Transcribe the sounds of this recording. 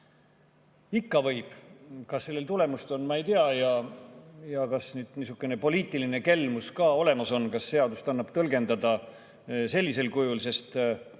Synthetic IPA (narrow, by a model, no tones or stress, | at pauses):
ikːɑvɤjb̥kɑsːelːe̞lt̪ule̞must̪o̞nːmɑe̞jt̪iɑjɑ | jɑkɑsnyːd̪̥nisukːˑene̞po̞liːt̪ːˑiline̞ke̞lmuskɑːo̞le̞mɑso̞nkɑsːe̞ɑd̪ust̪ɑnːɑb̥t̪ɤlɡe̞nd̪ɑd̪̥ɑ | se̞lʲːise̞lkujulse̞st̪